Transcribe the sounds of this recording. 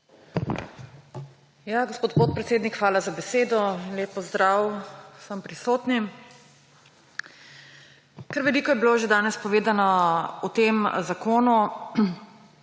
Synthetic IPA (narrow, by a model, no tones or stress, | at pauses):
jaɡospoːt̪̚poːt̪̚pɾɛt̪seːd̪nikxʋaːlazabɛseːd̪ɔinlʲeːp̚ːɔzd̪ɾaːwsəmpɾisoːt̪ni | kəɾʋɛliːkɔjɛbiloːʒed̪aːnɛspɔʋeːd̪anɔɔt̪emzakoːnu